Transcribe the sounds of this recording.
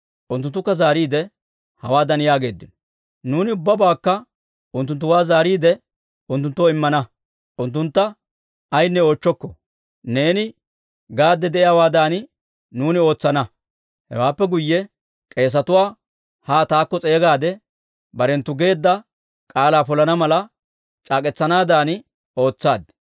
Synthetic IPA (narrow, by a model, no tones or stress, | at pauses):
ʔʊnt̪ːʊnt̪ːʊkːɐzaːɾiːd̪ɛ | hɐwaːd̪ɐnjaːɡe̞ːd̪ːɪnɔ̥ | nuːnɪʊbːɐbaːkːɐ | ʊnt̪ːʊnt̪̬ːʊwaːzaːɾiːd̪ɛ | ʊnt̪ːʊnt̪ːoɪmːɐnɐ | ʔʊnt̪ːʊnt̪ːɐ | ɐjnːɛo̞ːt͡ʃːɔkːɔ | ne̞ːnɪ | ɡaːd̪ːɛd̪ɛʔɪjaːwaːd̪aːn | nuːnɪo̞ːt͡sːɐnɐ | hɛ̰waːpːɛɡʊjːɛ | kʼe̞ːs̬ɐt̪ʊwaː | haːt̪aːkːɔt͡sʼe̞ːɡaːd̪ɛ | bɐɾɛnt̪ːʊɡe̞ːd̪ːɐ | kʼaːlaːpɔlɐnɐmɐlɐ | t͡ʃʼaːkʼɛt͡sːɐnaːd̪aːn | o̞ːt͡sːaːd̪̚